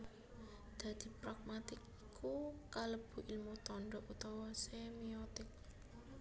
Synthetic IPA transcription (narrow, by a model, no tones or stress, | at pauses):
d̪̥ä̤d̪̥i̤pɾaɡ̚mat̪ɪkikʰukaləb̥ṳʔilmut̪ɔɳɖɔʔut̪ɔwɔsemiɔt̪ɪk̚